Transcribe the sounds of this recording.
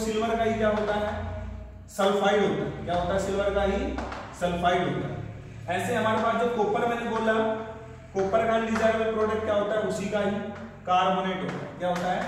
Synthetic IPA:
sɪlʋəɾkaːɦijaɦõːd̪aɦɛ | sɐlfaːiɦõːnd̪aːɦɛ̰jãɦʊ̃nt̪asɪlʋəɾkaːɦisɐlfaːibõːnd̪a̰ɦɛ | ɛ̃ːsẽɐmãːɾebaːt̪d͡ʑoːkoːpəɾmɛ̃ːnɡoːlaːjõ | koːpənkaːliɖɪzaːɪɾbəlpɾoːɖək̚ʈkaɦõːt̪aːɦɛ̃ʊsikaːɦi | kaːɾboːneːʈɦõa̰jãɦʊt̪d̪aɦɛ

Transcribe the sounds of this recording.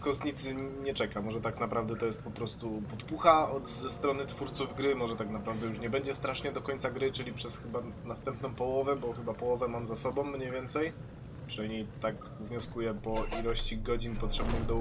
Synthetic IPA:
fkɔst̪ɲit̪sɘɲɛt͡ʂɛkamɔʐɛt̪aknapɾavd̪ɛt̪ɔjɛst̪̚pɔpɾɔst̪upɔt̪puxaɔd̪zɛst̪ɾɔnɘt̪fuɾt̪suvɡɾɘmɔʐɛt̪aknapɾavd̪ɛjuʂ̬ɲɛbɛɲd͡ʑɛst̪ɾaʂɲɛd̪ɔkɔɲʲt̪saɡɾɘt͡ʂɘlʲipʂɛsxɘba | nast̪ɛmpnɔ̃w̃pɔwɔvɛbɔxɘbapɔwɔvɛmamzasɔbɔ̃w̃ːɲejvʲɛnt̪sɛj | pʂɨnamɲejt̪aɡ | vɲɔskujɛpɔʔilɔɕt͡ɕiɡɔd͡ʑinpɔtʂɛbnɨmd̪ɔ

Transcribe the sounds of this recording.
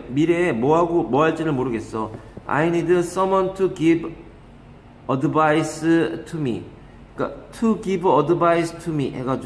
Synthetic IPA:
miɾemʌɦaɡomwʌɦaɭt͡ɕ͈iɾɯɭmoɾɯɡe̞s͈ʌ | a̰inidɯs͈ʌmwʌntʰuɡib | ʌdɯbaisɯtʰumḭ | k͈a̰tʰuɡibʌdɯbaistʰumiheɡad͡ʑ

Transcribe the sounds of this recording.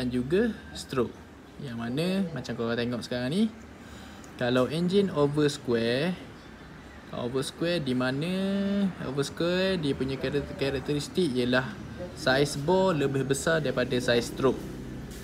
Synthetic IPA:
dand͡ʒuɡast̪ɾoʔ̚ | jaŋmanə̃mat͡ʃamkolat̪eŋɔʔsə̥kaɾaŋni | kalawɛnd͡ʒinovəskwɛr | kaovəskwɛrdimanə̃ | o̰vəskwɛrdiəpuɲãkakaɾak̚t̪əɾist̪ik̚ijəlahsajsbɔləbɪhbəsardaɾipadasajst̪ɾok̚

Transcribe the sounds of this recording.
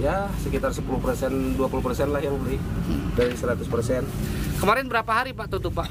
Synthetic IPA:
jasəkit̪arsəpuluhpərsɛnduapulupərsɛnlahjaŋbəlɪhdaɾisəɾat̪ʊspərsɛnkəmaɾɛnbəɾapaɦaɾipaʔt̪ot̪upaʔ

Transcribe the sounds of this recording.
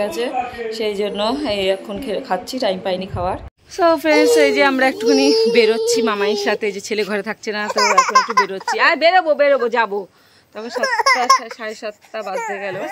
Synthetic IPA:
at͡ɕʰeʃejd͡ʑonːoeɛkʰonkʰekʰat̪ːɕʰiʈajmpajnikʰaoaɾ | sofɾensejd͡ʑeamɾaɛk̚ʈukʰonibeɾotːɕʰimamajʃat̪ʰed͡ʑet͡ɕʰeleɡʱɔɾet̪ʰak̚t͡ɕʰenat̪ɔmɾaɛkʰonek̚ʈubeɾotːɕʰiajbeɾobobeɾobod͡ʑabo | t̪ɔkʰoʃɔt̪aʃaʃaɾeʃat̪ːabazd̪eɡɛlo

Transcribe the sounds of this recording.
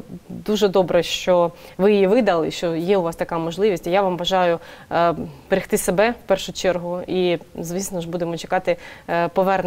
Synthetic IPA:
d̪uʒɛd̪ɔbɾɛʃt͡ʃɔʋɪjɪjiʋɪd̪ɐlˠɪʃt͡ʃɔjɛʊʋɑst̪ɐkɑmɔʒlˠɪʋʲisʲtʲijaʋamʋɐʒɑjʊ | b̥eɾʲɪxt̪ɪsebɛfpɛrʃʊt͡ʃɛrɦʊizʋʲisnɔʒbud̪emɔt͡ʃekɑt̪ɪpɔʋɛrn

